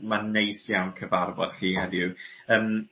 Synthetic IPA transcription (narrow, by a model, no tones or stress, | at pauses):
manejsjawnkʰəvarbɔ̰d̥ɬiːhɛdju | əːm